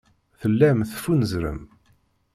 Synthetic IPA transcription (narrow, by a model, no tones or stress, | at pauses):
θəlːæmθfunəzɾə̰m